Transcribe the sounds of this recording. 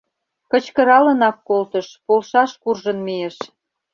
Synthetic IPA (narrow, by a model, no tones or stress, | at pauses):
kə̆t͡ɕkə̆ɾɑlə̆nɑkːolt̪əʃpolʃɑʃkurʒənmieʃ